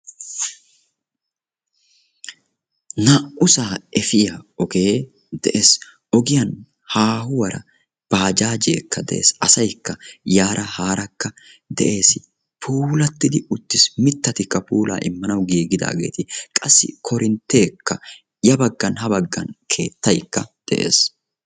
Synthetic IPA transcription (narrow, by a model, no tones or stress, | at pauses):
naʔʔʊsaːɛfɪjɐɔɡeː | d̪ɛʔes | ʔɔɡɪjɐn | haːhʊwɐɾɐ̰ | b̥aːd͡ʒaːd͡ʒḛːkːɐd̪ɛ̰ʔḛːsɐsɐjkːɐjaːɾɐhaːɾɐkːɐ | d̪ɛ̰ʔe̞ːsɪ | pʰuːlɐt̪ːɪd̪ɪʊt̪ːɪsmɪt̪ːɐt̪ɪkːɐpuːla̰ːʔɪmːɐnɐwɡiːɡɪd̪a̰ːɡe̞̰ːt̪ɪkʼɐsːɪ̰kʰɔɾɪnt̪ːe̞ːkːɐ | jɐbɐɡːɐnhɐbɐɡːɐnkʰe̞ːt̪ːɐjkːɐd̪̥ɛʔḛːs